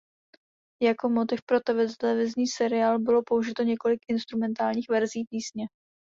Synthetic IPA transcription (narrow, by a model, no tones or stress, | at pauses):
jako̞mot̪ɪfpɾot̪ɛvɪt̪ɛlɛvɪzɲiːsɛɾɪaːlbɪlo̞po̞uʒɪt̪o̞ɲɛko̞lɪkʔɪnst̪ɾumɛnt̪aːlɲiːxvɛɾziːpiːsɲɛ